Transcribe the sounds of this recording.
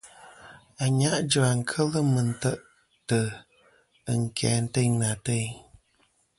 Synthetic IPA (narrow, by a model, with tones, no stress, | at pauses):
a˨ɲa˦ʔd͡ʒə˨a˨ŋ̩˨kʰə˦lə˦mə˨n̩˨tə˦ʔ | tə˨ | ə˨ŋ̩˨kʰɛ̰ː˨˦n̩˦te˦˨na˨te˦˨